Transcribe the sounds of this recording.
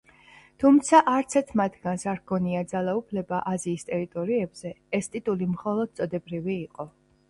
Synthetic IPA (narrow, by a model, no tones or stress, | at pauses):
t̪ʰumt̪sʰaʔaɾt̪sʰɛɾt̪ʰmat̪ʰɡansaɾɡɔniad̪zalˠaupʰlɛbaʔaziːst̪ʼɛɾit̪ʼɔɾiɛbz̥ɛɛst̪ʼit̪ʼulimχɔlˠɔd̪̥̚t̪sʼɔd̪ɛbɾiviːqʼɔ